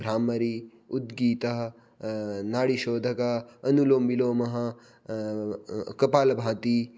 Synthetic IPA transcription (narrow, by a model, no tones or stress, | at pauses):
bʱɾaːmɐɾi | ud̪ɡiːt̪ɐɦɐ | naːɽiʃoːd̪ʱɐkɐɐnuloːmːiloːmɐɦɐ̆ | kɐpaːlɐbʱãːt̪i